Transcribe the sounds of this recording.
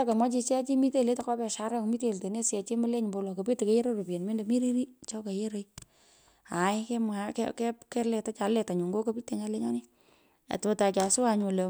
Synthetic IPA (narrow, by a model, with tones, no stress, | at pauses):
a˦ke˨mɔ˦t͡ʃi˧t͡ʃɛ˦t͡ʃi˦mi˦te˦le˦ta˨ka˦pɛ˨ʃa˦ɾɛ˦kmi˦te˦˨lte˨ne˦sjɛ˨t͡ʃe˦mə˦le˦ɲ˨bo˧lo˨ko˨pi˦te˨ke˦je˦ɾo˦ɾo˨pe˨nme˦nde˨mi˦ɾi˦ɾi˦t͡ʃɔ˦ke˨je˦ɾe˨j | a˨jkɛ˦makkɛpkɛ˦lɛ˨ta˦t͡ʃa˨lɛ˨ta˨ɲu˨ŋɡo˦ko˦pi˦tːe˨ɲa˦le˦ɲɔ˦ni˦ | a̰˨to˨ta˨ka˨sʊ˦a˧ɲu˨le˨